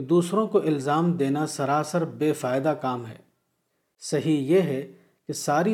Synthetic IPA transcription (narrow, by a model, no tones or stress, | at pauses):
d̪uːsɾõkoʔɪlzaːmd̪eːnasɐɾaːsəɾbeːfaːɪd̪akaːmɦɛ̰ː | sɐɦijeɦɛ | kesaːɾi